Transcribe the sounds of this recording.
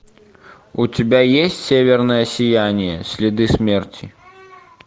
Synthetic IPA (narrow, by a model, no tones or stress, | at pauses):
ut͡sʲibʲajesʲt͡sʲsʲevʲɛrnɐjɐsʲijanʲijɛ̰sʲlʲid̪ɨsʲmʲɛrt͡sʲi